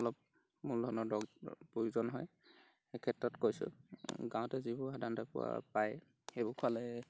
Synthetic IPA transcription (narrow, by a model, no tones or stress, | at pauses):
ɔlɔp̚ | muldʱɔnɔdɔɡpujuzɔnɦɔj | xekʰɛtɹɔtkojsʊ̰ɡãw̃tɛzibʊadantapʊ̰wa̰paj | xebʊkʰalɛ